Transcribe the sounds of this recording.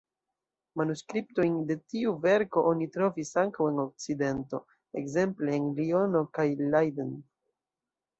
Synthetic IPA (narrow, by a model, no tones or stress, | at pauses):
manuskɾip̚to̞jnde̞tiuve̞ɾko̞ʔonitɾo̞visaŋkawe̞no̞k̚t͡side̞nto̞̰ | ḛkze̞mpleːnlio̞no̞kajlajden